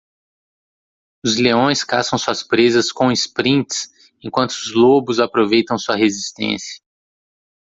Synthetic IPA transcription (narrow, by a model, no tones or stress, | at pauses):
ʊzleõj̃skasɐ̃w̃suɐspɾezɐskõɪspɾĩnt͡ʃs | ẽkwɐ̃nt̪ʊʊzlobʊzapɾovejt̪ɐ̃w̃suɐɦezist̪ḛ̃siɐ̥